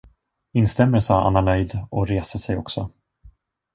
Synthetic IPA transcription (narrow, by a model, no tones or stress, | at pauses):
ɪnst̪ɛmːəlsɑːʔa̰nːanœjd̪ɔɾeːsəsɛjɔ̰ksɔ